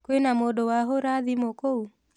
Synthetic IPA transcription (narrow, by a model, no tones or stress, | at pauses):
kenamodɔwaɦoɾaðimokou